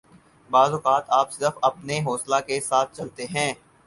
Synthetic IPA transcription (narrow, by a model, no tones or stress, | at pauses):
baːzʊkaːt̪aːpsɪɾəfɐpneɦoːslakesaːt̪̚ʰt͡ʃɐlt̪eɦɛ̃ː